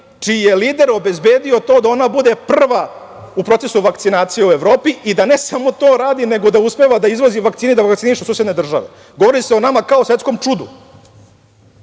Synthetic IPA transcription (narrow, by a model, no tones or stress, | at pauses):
t͡ʃiːje̞liːd̪e̞ɾo̞be̞zbe̞ːd̪io̞t̪o̞ːd̪ao̞nabud̪e̞pr̩ʋa | upɾo̞t̪se̞suʋakt̪sinaːt̪sije̞ue̞ʋɾo̞ːpiʔid̪ane̞samo̞t̪o̞ːɾaːd̪ine̞ɡo̞d̪auspe̞ʋad̪aizʋoziʋakt̪sinid̪aʋakt̪siniʃusuːsjed̪ne̞d̪r̩ʒa̰ʋe̞̰ | ɡoʋo̞ɾiseonamakaosʋet̪sko̞mt͡ʂud̪ṵ